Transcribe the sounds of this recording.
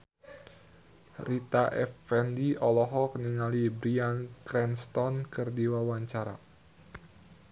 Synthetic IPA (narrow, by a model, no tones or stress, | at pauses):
rit̪aʔɛfɛndiɔlɔɦɔkniŋalibɾiankɾɛnst̪ɔnkɨrdiwawaɲt͡ʃaɾa̰